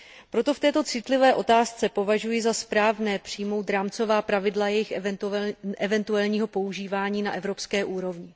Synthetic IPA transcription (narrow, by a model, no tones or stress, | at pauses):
pɾo̞t̪o̞ft̪ɛːt̪o̞t͡sɪt̪lɪvɛːʔo̞t̪aːst͡sɛpo̞vaʒujɪzaspɾaːvnɛːpr̥ijmo̞wt̪dɾaːmt͡so̞vaːpɾavɪdlajɛjɪx | ʔɛvɛnt̪uɛlɲiːɦo̞po̞uʒiːvaːɲiːnaʔɛvɾo̞pskɛːʔuːɾo̞vɲɪ